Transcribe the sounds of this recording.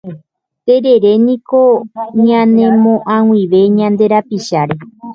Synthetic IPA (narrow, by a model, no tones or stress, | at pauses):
t̪e̞ɾe̞ɾenĩko̞ɲãnẽmõʔãw̃ĩʋe̞ɲãnd̪e̞ɾapiʃaɾe̞